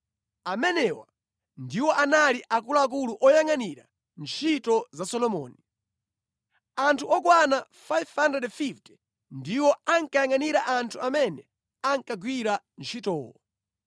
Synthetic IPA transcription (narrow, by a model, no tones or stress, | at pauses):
amɛnɛwa̰ | ndiwɔʔanaliʔak̬ulaak̬uluʔɔjaŋaniɾa | nt͡ʃʰitɔzasɔlɔmɔ̰ːni | antʰuɔkwanafajvhandɛdfift | ndiwɔaŋkajaŋaniɾaʔantʰuamɛnɛ | aŋkaɡwiɾa | nt͡ʃʰitɔːwɔ